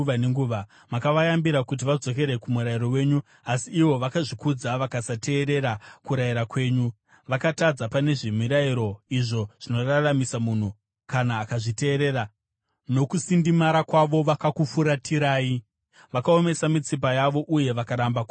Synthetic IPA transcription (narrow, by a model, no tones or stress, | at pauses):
ʋaneŋɡuːʋa | makaʋajambiɾakut̬iʋad͡zo̞k̬e̞ɾe̞kumuɾaiɾo̞we̞ːɲu | asiːʋo̞ʋakaʐikud͡zaʋakasate̞ːɾe̞ɾakuɾaiɾakwe̞ːɲu | ʋakatad͡zapane̞ʐimiɾaiɾo̞iʐo̞ʐ̥ino̞raramisamun̤u | kanaːkaʐite̞ːɾe̞ra | no̞kusindimaɾakwaʋo̞ʋakakufuɾatʰiɾaːi | ʋakao̞me̞samit͡sip̬ajaʋo̞ʔuje̞ʋakaɾambaku